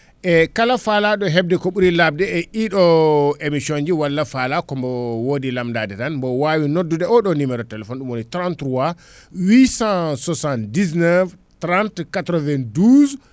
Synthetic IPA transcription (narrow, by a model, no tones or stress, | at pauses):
ʔɛkalafalaɗɔɦɛb̚dɛkoɓuɾilab̚dɛɛʔiɗɔemisond͡ʒiwalːafalakɔmbɔwodilamdadɛtanbɔwawinodːudɛɔɗɔnimɛɾɔtɛlɛfɔnɗumwonitɾantɾuwa | wisãsɔsandisnɛv | tɾantkatɾɔvɛnduz